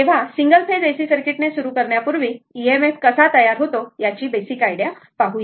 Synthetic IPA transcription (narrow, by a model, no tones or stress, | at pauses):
eʋ̤asiŋɡəlped̪esiːsəɾkiʈnesuɾukəɾɳjapuɾʋiːiemefkəsat̪əjaɾɦot̪ojat͡ɕiːbesikajɽja | paɦuje